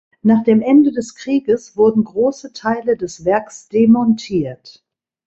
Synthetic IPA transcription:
naːχd̥eːmʔɛndədɛskʁ̥iːɡəsv̥ʊɐdn̩ɡʁoːsətʰaɪlədɛsv̥ɛɐksd̥emɔntʰiːɐt

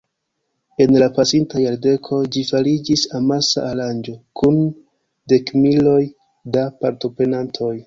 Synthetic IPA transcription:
e̞nlapasintajaɾde̞kʰo̞d͡ʒifaɾid͡ʒisamasa̰ːɾand͡ʒo̞kʰun | de̞kmilo̞j | dapaɾto̞pɾe̞nantʰo̞j

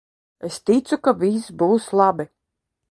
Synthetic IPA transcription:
est̪it̪sukavʲisbuːslˠabi

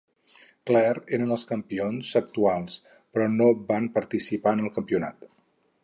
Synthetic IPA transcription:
klɛɾeɾənəlˠskəmpionzək̚t̪ualˠs | pɾɔnobanpəɾt̪isipaənəlˠkəmpiuna̰t̪

